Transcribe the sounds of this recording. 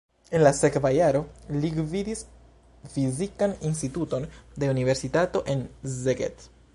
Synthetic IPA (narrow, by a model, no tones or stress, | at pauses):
e̞nlase̞kvajaɾo̞liɡvidis | fizikaninstituto̞ndeunive̞ɾsitato̞ʔe̞nzeɡḛt